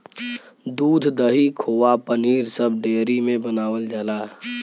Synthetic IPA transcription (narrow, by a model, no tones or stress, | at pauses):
d̪uːd̪ʱd̪əɦikʰoːapəniːɾsəb̚ɖeːɾimẽbənaːwəld͡ʒaːlaː